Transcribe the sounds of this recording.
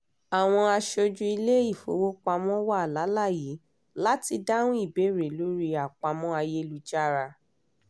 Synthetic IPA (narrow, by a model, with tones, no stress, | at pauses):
a˨w̃ɔ̃˧a˧ʃo˧d͡ʒũ˧i˧le˦i˦˨fo̰˨˦wo˦k͡pa˧mɔ̃˦wa˦˨la˨˦la˦˨ji˨˦ | la˦ti˧da˦ñũ˦i˦˨be˨˦ɾe˨lo˨˦ɾi˧a˨k͡pa˧mɔ̃˦a˧je˦lu˧˦d͡ʒa˦˨ɾa˧